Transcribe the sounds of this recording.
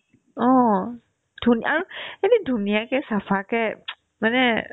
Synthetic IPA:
ɔ | d̪̥uniʔaɾuinidṳniakɛsafakɛʔ | manɛ

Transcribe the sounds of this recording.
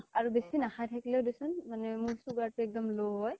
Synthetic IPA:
aɹubesinaxajtʰaklɛʊdisunmanɛmuɹsuɡaɹtuɛk̚dɔmloj

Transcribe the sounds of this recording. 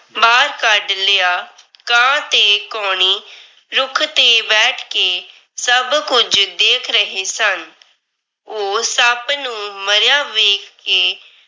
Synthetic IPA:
baːɾkəɖlejaː | kãːt̪eːkɔːɳ̃iː | ɾʊkʰt̪eːbɛːʈʰkeː | səbkʊd͡ʒd̪eːkʰɾəɦeːsən | oːsəbnũːməɾjaːʋeːkːeː

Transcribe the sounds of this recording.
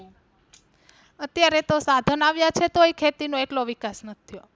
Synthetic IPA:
ət̪jaɾet̪osad̪ʱənaʋjat͡ʃʰet̪oekʰet̪inõeʈloʋikasnət̪ʰːijo

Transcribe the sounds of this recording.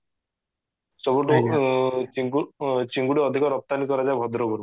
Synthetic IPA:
sɔbɔʈu | t͡ʃiɡt͡ʃiŋɡuɽiɔd̪ʱikɔɾɔp̚t̪anikɔɾad͡ʒajbʱɔd̪ɾɔbʱɔɾum

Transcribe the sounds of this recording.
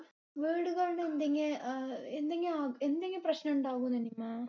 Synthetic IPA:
ʋiːɽuɣɐɭɳend̪ɐŋːeend̪eŋɡɐaːend̪eŋɡɐprɐɕnɐuɳɖaːɣunɐnimːa

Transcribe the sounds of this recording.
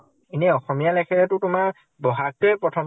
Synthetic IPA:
inɛɔxɔmijalɛkʰɛɛtʊtʊma | bɔɦat̚ɛpɹɔtʰɔm

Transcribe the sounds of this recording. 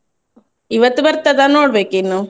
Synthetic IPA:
iʋɐt̪ːubɐɾt̪ɐd̪aːnoːɽbeːkinːu

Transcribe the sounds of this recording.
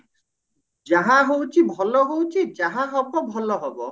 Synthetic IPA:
d͡ʒaɦãɦowt͡ʃʰibʱɔlɔɦowt͡ʃʰid͡ʒaɦaɦɔbɔbʱɔlɔɦɔbɔ

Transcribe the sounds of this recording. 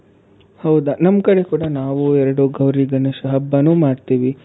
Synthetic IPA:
hɐwd̪ɐnɐmkɐɽe̞kuːɽɐnaːʋuɛɾɐɽuɡɐwɾiːɡɐnɐʃɐɦɐbːɐnuːmaːɽt̪iːʋi

